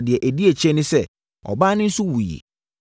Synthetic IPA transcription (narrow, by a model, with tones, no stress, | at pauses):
dɪ˨ɛ˨ʔæ˨di˦e˨t͡ɕʰɛ̃˦nɪ̃˦sɛ˦˨ | ɔ̰˨ba˦nɪ̃˦n̩˦sʊ˦wu˨jḛ˨